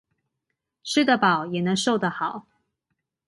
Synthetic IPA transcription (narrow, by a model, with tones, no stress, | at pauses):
ʂɻ̩˥˩d̪ə˩pɑ˨˩˦ʊjɛ˨˩nə˧˥ŋʂo˥˩ʊd̪ə˩xɑ˨˩˦ʊ